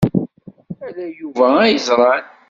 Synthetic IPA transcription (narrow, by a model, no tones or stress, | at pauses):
ælæjuvææjəzˤɾˤɑn